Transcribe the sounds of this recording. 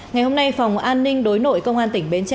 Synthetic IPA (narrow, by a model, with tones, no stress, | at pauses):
ŋa˨˩jho˧mna˧jfa˨˩wŋ͡mʔaː˧nːï˧ŋ̟ɗo˨˦jno̰˧˨jkə˧wŋ͡mʔaː˧nt̪ï˧˩ŋ̟ɓe˨˦nt͡ɕa˧